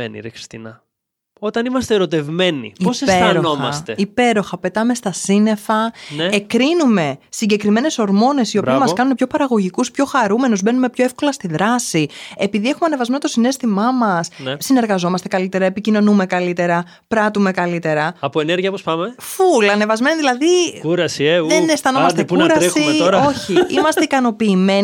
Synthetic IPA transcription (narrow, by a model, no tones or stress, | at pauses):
enḭɾeki̥st̪inɐ̰ | o̞t̪ɐnimɐst̪eːɾo̞t̪e̞vme̞nḭioseseɐɾonoxmɐɐst̪eipe̞ɾo̞xɐpe̞t̪ɐme̞st̪ɐsine̞fɐneekɾinume̞siɲɟe̞kɾime̞ne̞so̞ɾmo̞ne̞sio̞bpiɐmɐkɐnunepço̞pɐɾɐɣo̞ʝikuspço̞xɐɾume̞nuzbe̞nume̞pço̞efko̞lɐst̪iðɾɐsiepiðie̞xumeɐnevɐzme̞not̪osine̞st̪imɐmɐsnsine̞ɾɣɐzo̞mɐst̪e̞kɐlit̪eɾɐepicino̞nume̞kɐlit̪e̞ɾɐ | pɾɐt̪ume̞kɐlit̪e̞ɾɐɐpoeneɾʝiɐpospɐmefulɐne̞vɐzme̞niðilɐðikuɾɐsieðenesθɐnomɐst̪epunɾɐɾsiximeoɾɐo̞çiḭmɐst̪eikɐno̞piːme̞n